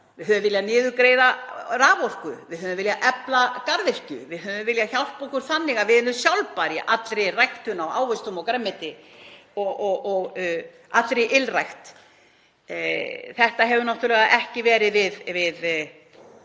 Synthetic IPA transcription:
vɪðhʏðʏvɪljanɪːðʏkɾeːjðaraːvor̥kʏvɪðhʏðʏmvɪljaʔɛplakaɾðɪr̥cʏ̰vɪðhʏðʏvɪljaçawl̥paɔhkʏɾ̥θanːɪɣavɪðɪlːʏsjawlpaɾɪʔat̪lɾejrajxt̪ʏnawa̰ːwvɪst̪ʏmɔkɾɛmːɪt̪ɪɔɔɣɔɣ | at̪lɾejʔɪlrajxt̪ | θɛht̪aɦɛvʏnaht̪ʏɾlɛɣaʔɛhcɪvɛːɾɪvɪðvɪð

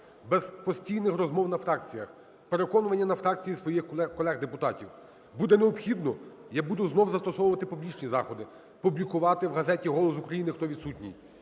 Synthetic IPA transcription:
bɛz̥pɔsʲtʲijnɪxrɔzmɔwnɐfɾɑk̚t͡sʲijɐx | peɾekɔnʊʋɐnʲːɐnɐfɾɑk̚t͡sʲijisʋɔjixɛkɔlˠɛɣd̪epʊt̪ɑtʲiw | bud̪ɛneɔpxʲid̪nɔ | jabud̪ʊznɔwzɐst̪ɔsɔwʊʋɐt̪ɪpublʲit͡ʃnʲizɑxɔd̪ɪ | publʲikʊʋɑt̪ɪwɦɐzɛtʲiɦɔlˠɔs̬ʊkɾɐjinɪxt̪ɔʋʲid̪sutʲnʲḭj

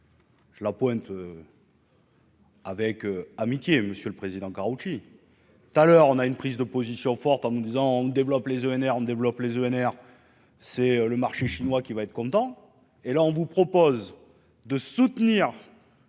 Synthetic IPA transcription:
ʒ̥əlapwɛ̃t̪ø | avɛkøamit̪jeməsjøləpχezid̪ɑ̃kaʁut͡ʃi | t̪ut̪alœʁɔ̃naynpχizd̪əpozisjɔ̃fɔʁt̪ɑ̃nəd̪izɑ̃ɔ̃d̪evlɔplezøɛnɛʁɔ̃d̪evlɔplezøɛnɛʁ | sɛøləmaʁʃeʃinwakʲivaɛt̪χəkɔ̃t̪ɑ̃ | elaɔ̃vupχɔpɔz | d̪əsut̪niʁ

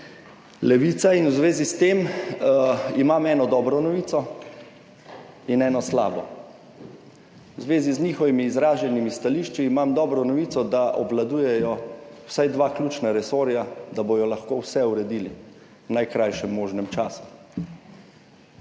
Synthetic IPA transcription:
lɛʋiːt̪sainwzʋeːzist̪em | imamɛːnɔd̪ɔːbɾɔnɔʋiːt̪ɔ | inɛːnɔsla̰ːbɔ̰ | wzʋeːzizniːxɔʋimiːzɾaːʒɛnimist̪aliʃt͡ʃiːmamd̪ɔːbɾɔnɔʋiːt̪sɔd̪aʔɔblad̪uːjɛjɔw̥sajd̪ʋaːklʲuːt͡ʃnaɾɛsoːɾjad̪abojɔlaxkowsɛuɾɛd̪iːli | wnajkɾajʃɛmːoːʒnɛmt͡ʃaːsu̥

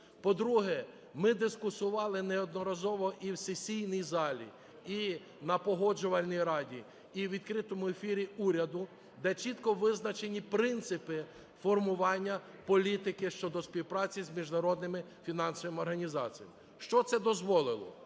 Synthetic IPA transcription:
pɔd̪ɾuɦɛ | mɪd̪ɪskʊsʊʋɑlˠɪnɛɔd̪nɔɾɐzɔʋɔʔiwsesʲijnijzɑlʲḭ | i | nɐpɔɦɔd͡ʒʊʋɐlʲnʲijɾɑdʲi | iʋʲid̪kɾɪt̪ɔmʊefʲiɾʲiuɾʲɐd̪ʊ | d̪ɛt͡ʃit̪kɔʋɪznɐt͡ʃenʲipɾɪnt̪sɪpɪ | fɔrmʊʋɑnʲːɐpɔlʲit̪ɪkɪʃt͡ʃɔd̪ɔspʲiwpɾɑt͡sʲizʲmʲiʒnɐɾɔd̪nɪmɪ | fʲinɑnsɔʋɪmɔrɦɐnʲizɑt͡sʲijɐ̰m | ʃt͡ʃɔt̪sɛd̪ɔzʋɔlˠɪlˠɔ̰

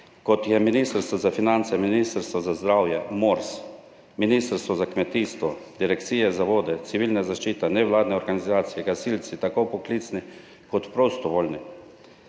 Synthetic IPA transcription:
kɔt̪jɛminiːst̪ɾst̪ʋɔzafinant̪sɛminist̪əɾst̪ʋɔzazd̪ɾaːwjɛmoɾs | miniːst̪əɾst̪ʋɔzakmɛt̪iːst̪ʋɔd̪iɾɛkt̪siːjɛzaʋoːd̪ɛt̪siʋiːlnazaʃt͡ʃiːt̪ɛnɛʋlaːd̪nɛɔɾɡanizaːt̪sijɛɡasiːlt̪sit̪akopɔkliːt̪sni | kɔt̪pɾost̪ɔʋoːlʲni

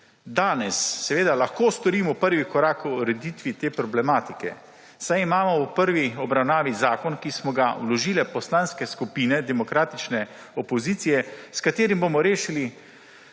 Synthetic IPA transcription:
d̪aːnɛsːɛʋeːd̪alaxkoːst̪ɔɾiːmɔpəɾʋikɔɾaːkuɾɛd̪iːt̪ʋit̪eːpɾɔblɛmaːt̪ikɛ̰ | sajimaːmɔwpəɾʋiɔbɾawnaːʋizaːkɔnkismɔɡawlɔʒiːlɛpɔslanskɛskupiːnɛd̪ɛmɔkɾaːt̪it͡ʃnɛ | ɔpɔziːt̪sijɛskat̪eːɾimbomɔɾeːʃili

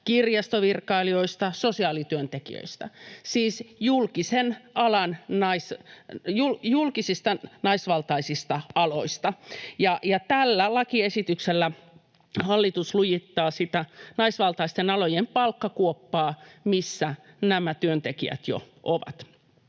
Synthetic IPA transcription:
kirjɑst̪oʋirkɑilioist̪ɑsosiɑːlit̪yønt̪ekḭø̰ist̪ɑsiːsjulkisenɑlɑnnɑisjuljulkisist̪ɑnɑisʋɑlt̪ɑisist̪ɑɑlo̰ist̪ɑjɑjɑt̪ælːælɑkiesit̪ykselːæ | hɑlːit̪uslujit̪ːɑːsit̪ænɑisʋɑlt̪ɑist̪enɑlojempɑlkːɑkuopːɑːmisːæ | næmæt̪yønt̪ekiæ̰t̪jo̰ | ʔoʋɑ̰t̪

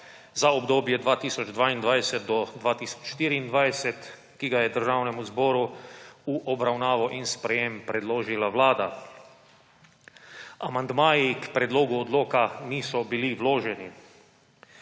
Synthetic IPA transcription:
zaɔbd̪oːbjɛd̪ʋaːt̪iːsɔd͡ʒd̪ʋaːind̪ʋajsɛt̪d̪ɔd̪ʋaːt̪iːsɔ̥t͡ʃʃt̪iːɾiːnd̪ʋajsɛt̪ | kiɡajɛd̪əɾʒaːwnɛmuzbɔːɾuuʔɔbɾawnaːʋɔʔinspɾɛjempɾɛd̪loːʒilawlaːd̪a | amand̪maːjikpɾɛd̪loːɡuɔd̪loːkaniːsɔbiliʋloːʒɛni

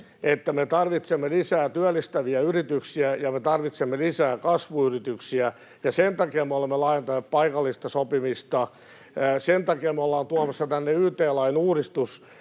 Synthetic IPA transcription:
et̪ːæmet̪ɑrʋit̪semːelisæːt̪yælːˑist̪æʋiæyrit̪yksiæjɑmet̪ɑrʋit̪semːelisæːkɑsʋuyrit̪yksiæ | jɑsent̪ɑkeːmmeolemːelɑːjent̪ɑneːp̚pɑikɑlːist̪ɑsopimist̪ɑ | sent̪ɑkeːmeolːɑːnt̪uɑmɑsːɑt̪ænːeyht̪eːlɑinuːrist̪us

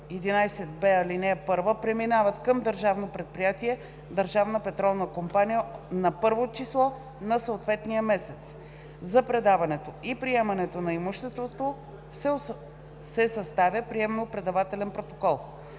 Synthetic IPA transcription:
ɛd̪inajsɛt̪̚bɛɐlinɛpɤɾvəpɾɛminavət̪kəmd̪əɾʒavnopɾɛt̪̚pɾijat̪iɛ | d̪əɾʒavnəpɛt̪ɾɔlˠnəkompanijənɐpɤɾvot͡ʃislˠɔ | nɐsəot̪vɛt̪nijəmɛsɛt̪s | zɐpɾɛd̪avɐnɛt̪oipɾiɛmɐnɛt̪onɐimuʃt̪ɛst̪vot̪o | s | sɛsɐst̪avʲəpɾiɛmɛnopɾɛd̪ɐvat̪ɛlɛnpɾot̪okɔlˠ

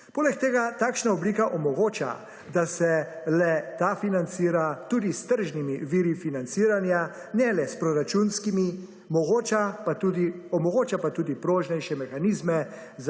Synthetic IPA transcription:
poːlɛk̚t̪eːɡat̪aːkʃnaɔbliːkaʔɔmɔɡoːt͡ʃa̰ | d̪asɛlɛt̪afinant̪siːɾat̪uːd̪ist̪əɾʒnimiʋiːɾifinant̪siːɾanja | nɛlɛspɾɔɾat͡ʃunskimi | mɔɡoːt͡ʃapat̪ud̪iɔmɔɡoːt͡ʃapat̪uːd̪ipɾoːʒnɛjʃɛmɛxaniːzmɛ | z

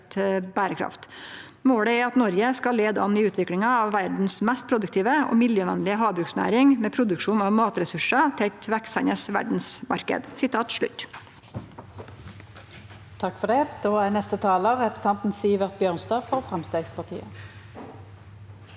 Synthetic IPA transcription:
t̪bæːɾəkʰɾɑ̰ft̪ | moːɽəæɾɑt̪nɔɾjəskɑleːd̪əɑnɪʉːt̪ʰʋɪklɪŋɑːʋʋæɖn̩smɛst̪̚pʰɾʊd̪ʉk̚t̪ʰiːʋəʔo̰ːmɪljøːʋɛnlɪəɦɑːbɾʉksnæ̰ːɾɪŋmeːpʰɾʊd̪ʉkʂuːnɑʋmɑːt̪ɾɛsʉʂɑt̪ʰɪæt̪ʋæksæɪnəsʋæ̰ɖɳ̩smɑ̰ɾkə̰d̪sɪt̪ʰɑːt̪ʂɭʉ̰t̪ː | t̪ʰɑkːfɔd̪ɛd̪̥oːæːʁnɛst̪ət̪ʰɑːləʁɛpʁəsɛnt̪n̩siːʋəʁt̪̚bjøːʁnst̪ɑːfɔʁfʁɛmst̪eːɡspʰɑʁt̪ʰḭːə

